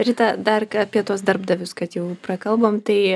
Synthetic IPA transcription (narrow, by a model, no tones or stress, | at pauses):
ɾʲiːt̪ɐd̪ɐrɐpʲiɛt̪uɔs̬d̪ɐrbd̪ɐʋʲʊskɐt̪jɛʊprɐkɐlˠboːmt̪ɐɪ